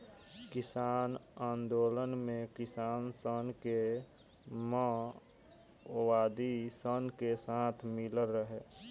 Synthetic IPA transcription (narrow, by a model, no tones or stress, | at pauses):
kɪsaːnãːnd̪oːlənmẽkɪsaːnsənke | mə | owaːd̪isənkesaːt̪ʰmɪləɾːəɦeː